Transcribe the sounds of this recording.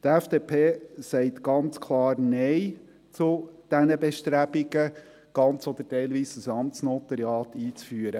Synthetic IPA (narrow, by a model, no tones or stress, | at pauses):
t̪æfd̥eːpʰeːsɛɪt̪ɡ̥ɑnt͡skʰlɑːɾnɛɪ | t͡sud̥ɛnəbɛʃtɾæbiɡ̥ə | ɡ̥ɑnt͡sɔd̪ətɛɪlʋiːsəsɑmt͡snɔt̪ɑɾiɑːt̪ʰiːt͡sfyːəɾə